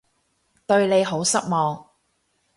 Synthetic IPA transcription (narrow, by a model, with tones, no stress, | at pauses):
t̪ɵ˧ɥne˨˧jɦo˨˥wsɐ˥k̚mɔː˨ŋ